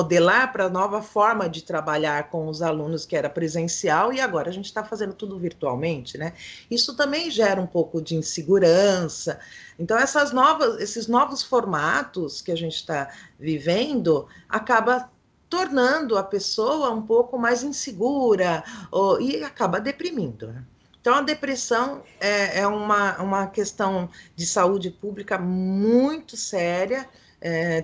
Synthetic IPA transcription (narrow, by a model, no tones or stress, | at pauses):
mod̪elaɾpɾɐnɔvɐfɔɾmɐd͡ʒɪt̪ɾabaʎaɾkõw̃ʊzalũnʊskɪɛɾɐpɾezẽsiawɪaɡɔɾɐaʒẽnt͡ʃɪ̥t̪afazẽnd̪ʊt̪ud̪ʊviɾt̪ua̰wmẽnt͡ʃɪnɛisʊt̪ɐ̃mbẽj̃ʒɛɾɐũpowkʊd͡ʒɪĩseɡuɾɐ̃sɐẽnt̪ɐ̃w̃ɛsɐznɔvɐsesɪznɔvʊsfoɾmat̪ʊskɪaʒẽnt͡ʃɪ̥t̪avivẽnd̪ʊa̰kabɐ | t̪oɾnɐ̃nd̪ʊɐpesowɐũpowkʊmajzĩseɡuɾɐoɪakabɐd̪epɾimĩnd̪ʊ̰nɛ | ẽt̪ɐ̃w̃ɐd̪epɾesɐ̃w̃ɛɛũmɐũmɐkest̪ɐ̃w̃d͡ʒɪsaud͡ʒɪpublikɐmũj̃t̪ʊsɛɾjɐ | ɛ